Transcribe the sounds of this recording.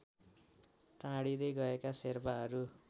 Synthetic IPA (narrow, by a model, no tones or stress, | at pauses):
t̪ãɽid̪ʌjɡʌekaserbaɦʌɾu